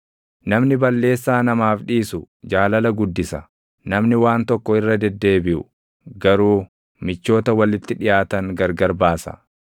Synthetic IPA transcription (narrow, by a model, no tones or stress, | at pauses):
nɐmnɪbɐlːe̞ːsːaːnɐmaːfᶑiːsʊ | d͡ʒaːlɐlɐɡʊd̪ːɪsɐ | nɐmnɪwaːnt̪ɔkːɔɪrːɐd̪ɛd̪ːe̞ːbɪʔʊ | ɡɐɾuː | mɪt͡ʃːo̞ːt̪ɐwɐlɪt̪ːɪᶑɪjaːt̪ɐŋɡɐɾɡɐɾbaːsɐ̰